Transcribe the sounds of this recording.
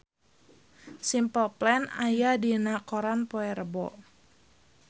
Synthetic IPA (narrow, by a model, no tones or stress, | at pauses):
simpəlplɛnajadinakɔɾanpɔɛɾəbɔ̰